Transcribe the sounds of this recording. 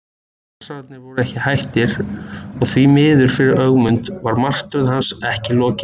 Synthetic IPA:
ɛsat̪nɪvɔɾʏɛhcɪhajht̪ɪɾɔɣθvimɪːðʏɾ̥fɪɾɪɾœɣmʏnt̪vaɾmar̥t̪ɾʏðhansɛhcɪlɔːcɪ

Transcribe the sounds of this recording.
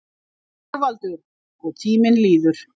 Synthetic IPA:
aɾvalt̪ʏɾ | ɔɣt̪ʰiːmɪnliːðʏɾ̥

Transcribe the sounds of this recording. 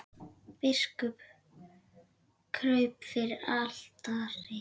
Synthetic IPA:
pɪskʏp | kʰɾœɥpfɪɾɪɾal̥t̪aɾɪ

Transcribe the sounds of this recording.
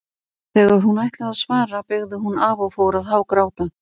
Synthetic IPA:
θɛːɣaɾ̥hunajht̪lɪɣaðsvaːɾapɪɣðʏɦunavaɣfowɾaðɦavkɾaːwt̪a

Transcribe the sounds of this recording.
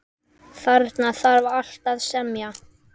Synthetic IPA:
θaɾt̪naθaɾval̥t̪aðsɛmja

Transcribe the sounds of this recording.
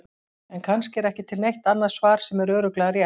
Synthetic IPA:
ɛnkʰanscɪɛɾɛhcɪt̪ʰɪlnejht̪anːað̥svaːɾ̥sɛmɛɾœːɾʏklɛːɣaɾja

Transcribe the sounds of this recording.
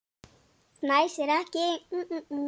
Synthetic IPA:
majseɾakẽ

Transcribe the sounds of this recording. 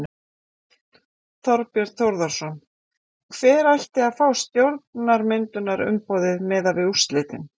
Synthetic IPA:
θɔɾpjɛɾθowɾðaɾ̥sɔn | kʰv̥ɛːɾajht̪ɪaðfaːwst̪jowɾt̪naɾmɪnt̪ʏnaɾʏ̰mpɔːðɪðmɛðavɪust̪lɪːt̪ɪn

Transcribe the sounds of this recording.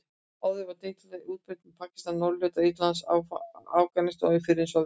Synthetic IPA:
aːwðɪvaɾt̪ejt̪alɛɣuːt̪̚pʏt̪ɪpʰaːcɪ̥st̪anːɔɾljœːt̪ait̪lans | a̰ːwkanɪst̪ɔ̰ɣɪfɪɾɪnsɔ

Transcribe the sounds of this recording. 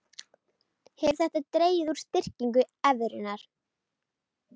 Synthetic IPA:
hɛvɾ̥θɛht̪at̪ɾeːjðuɾ̥st̪ɪr̥ciŋkʏɛvɾɪnaɾ̥

